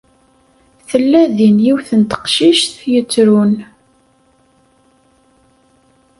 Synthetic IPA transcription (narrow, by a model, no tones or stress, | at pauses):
θəlːæðinjiwθənt̪ə̥qʃiʃθjət͡sːɾun